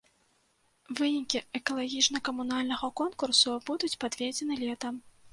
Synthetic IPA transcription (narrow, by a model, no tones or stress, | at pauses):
vɨnʲikʲiɛkɐlˠaɣʲit͡ʂnɐkɐmunalʲnɐɣɐkɔnkursubud̪ut͡sʲpad̪vʲed͡zʲɛnɨlʲɛt̪ɐm